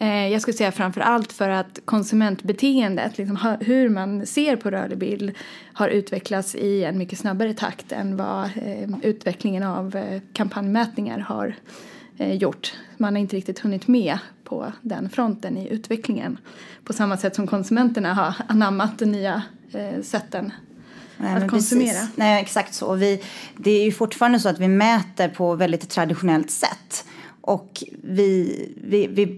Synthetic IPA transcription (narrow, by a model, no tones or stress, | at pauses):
jɑɡskɵləsɛjːafɾamfœ̰ɾʔalt̪fœɾat̪kʰɔnsɵmɛnt̪bɛt̪ʰeːənd̪ə̰t̪ʰlɪks̬ɔmɦɵɾmanseːɾpʰɔɾœ̰ːɭɪbɪ̰ld̪ | haɾʔʉ̟ːt̪vɛkʰlat̪sɪɛnmʏkːəsnabːaɾət̪ʰa̰kt̪ʰɛ̰nva̰ | ʉ̟ːt̪vɛklɪŋənavkʰampʰanjmɛːt̪nɪŋa̰ɾha̰ɾ | jʊʈːmanhaɾɪnt̪əɾɪk̚t̪ɪt̪hɵnːɪt̪mɛpʰɔ̰d̪ɛ̰nfɾɔnt̪ənɪʔʉ̟ːt̪vɛklɪŋə̰npʰɔsamːasɛt̪ːsɔmkʰɔnsɵmɛnt̪əɳaɦaɾanamːat̪̚d̪ɛnnyːa | sɛt̪ʰːənː | at̪kʰɔsɵmeːɾanɛːɛksakt̪sɔ̰vɪd̪ɛæɾjɵfʊʈːfɑːɾand̪əsɔːat̪vɪmɛːt̪əɾpʰɔvɛld̪ɪt̪ʰːɾad̪ɪɧʊnɛlt̪sɛ̰t̪ːʔɔkvɪvɪvɪ